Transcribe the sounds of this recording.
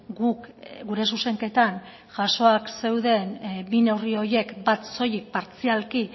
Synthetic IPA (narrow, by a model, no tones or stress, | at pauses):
ɡukɡuɾe̞suse̞ŋke̞t̪an | ʝaso̞akse̞wðe̞nbine̞wrio̞ɾje̞kbat̪so̞jik̚paɾt͡sialki